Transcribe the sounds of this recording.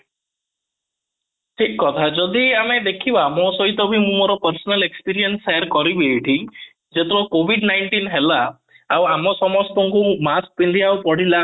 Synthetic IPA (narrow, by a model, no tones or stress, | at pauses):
ʈʰikːɔt̪ʰad͡ʒɔd̪iamed̪ekʰibamɔsɔɦit̪ɔbʱimũmɔɾɔpəɾsɔnalekspiɾiɔnseɾkɔɾibeːʈʰi | d͡ʒet̪ʰɔbɔkobʱiɖnajɳʈinɦelaː | wamɔsɔmɔst̪ɔŋkumask̚pind̪iawpɔɽ̤ila